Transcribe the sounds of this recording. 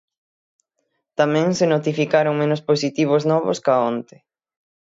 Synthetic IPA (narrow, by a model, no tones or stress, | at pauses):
t̪amɛ̃ŋsɪnot̪ifikaɾoŋmẽnosposit̪iβ̞oznɔβoskaont̪ɪ̥